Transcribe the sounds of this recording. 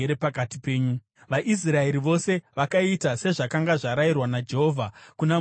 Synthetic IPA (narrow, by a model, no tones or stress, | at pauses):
eɾepakatipe̞ːɲu | ʋaʔis̬rae̞ɾiʋo̞se̞ʋakaitase̞ʐakaŋɡaʐaɾairwanad͡ʒe̞ɦo̞vʱakuna